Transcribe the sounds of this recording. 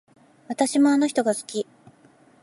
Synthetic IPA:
βat̪aɕimo̞ano̞çi̥t̪o̞ɡasɨ̥kʲi

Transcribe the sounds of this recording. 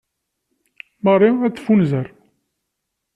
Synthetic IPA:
mərˤːiæt͡sːfunzəɾ

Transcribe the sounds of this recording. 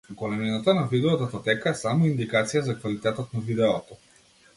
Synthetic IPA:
ɡɔlɛminat̪anavid̪ɛɔt̪at̪at̪ɛkaɛsamɔind̪ikat̪sijazakvalit̪ɛt̪ɔt̪navid̪ɛɔt̪ɔ

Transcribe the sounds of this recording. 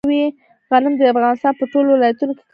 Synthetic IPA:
wi | ɣalɪmd̪əafɣɑnɪst̪ɑnpəʈolowɪlɑjat̪unoke̥k

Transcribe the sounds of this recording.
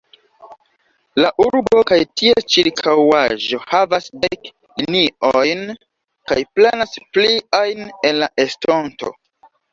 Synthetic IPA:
laʔuɾbo̞kajtʰiet͡ʃiɾkʰawaʒo̞havasdek | liniojn | kajplenaspliajne̞nlaʔesto̞nto̞̰

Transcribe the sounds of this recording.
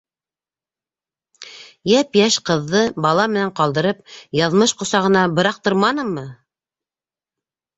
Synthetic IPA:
jæpjæʃqɤ̆ðːɤbɑlˠɑmɘ̆næɴqɑlˠd̪ɤ̆ɾɤp̚jɑðmɤʃqŏsɑʁɤ̆nɑbɤ̆ɾɑq̚t̪ɤ̆ɾmɑnɤmːɤ

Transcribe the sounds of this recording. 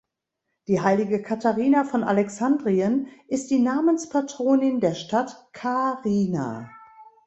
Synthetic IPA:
d̥iːɦaɪlɪɡəkʰatʰaʁiːnafɔnʔa̰lɛksandʁiənʔɪst̚d̥iːnaːmənspʰatʁ̥oːnɪndeːɐʃtatkʰaʁiːna̰

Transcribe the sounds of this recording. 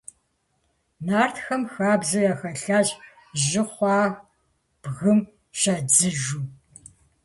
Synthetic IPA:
naːrtxɐmxaːbzɨjaxɐɬaːʑ | ʑɪχʷɑː | b̥ɣɨm | ʃaːd͡zɨʒuː

